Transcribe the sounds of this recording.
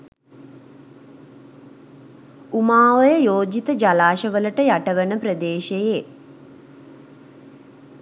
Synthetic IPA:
umaːʋəjəjoːd͡ʒit̪əd͡ʒalaːʃəʋələʈəjaʈəʋənəpɾəd̪eːʃeje

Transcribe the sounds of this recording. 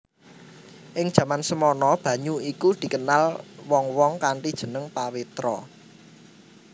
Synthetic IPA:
ʔɪŋd̥ʒ̥ä̤mansəmɔnɔb̥ä̤ɲuikud̪̥i̤kənalwɔŋwɔŋkaɳʈid̥ʒ̥ə̤nəŋpawit̪ɾɔ

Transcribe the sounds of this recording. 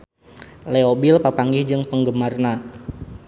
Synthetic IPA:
lɛobilpapaŋɡɪhd͡ʒɨŋpəŋɡəmarna

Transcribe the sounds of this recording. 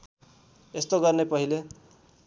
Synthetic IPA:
est̪oɡʌrnepʌɦile

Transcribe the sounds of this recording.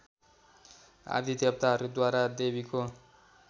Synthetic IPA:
a̰rt̪ʰit̪jʌb̚t̪aɦʌɾud̪waɾad̪ebiko

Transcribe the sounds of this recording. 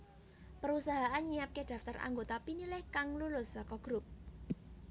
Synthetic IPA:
pəɾusaɦaʔanɲijap̚keɖ̥ä̤ft̪arʔa̰ŋɡot̪apinilɪhkaŋlulʊsakɔɡ̥ɾup̚

